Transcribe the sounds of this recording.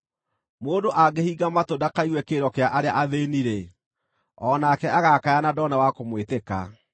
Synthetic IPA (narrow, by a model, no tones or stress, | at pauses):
moːdoʔaɡehiːɡamatodakaiɣwɛkeɾɔkeaʔaɾeaʔaðeniɾe | ɔnakɛaɣakajanadɔnawakomweteka̰